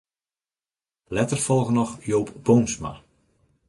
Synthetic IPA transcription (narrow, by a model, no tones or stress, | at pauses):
lɛtərfɔlˠɣənɔxjowpbownsma̰